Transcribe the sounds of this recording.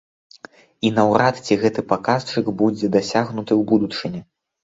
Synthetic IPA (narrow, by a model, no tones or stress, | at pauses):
inɐwɾat̪t͡sʲiɣɛt̪ɨpakast͡ʂɨɡbud͡zʲɛd̪asʲaɣnut̪ɨwbud̪ut͡ʂɨnʲɛ